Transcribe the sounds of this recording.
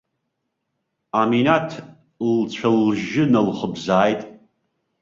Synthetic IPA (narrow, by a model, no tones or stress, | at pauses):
aminatʰ | lt͡ɕʷʰalʒɪnɨlχəbzaːjtʼ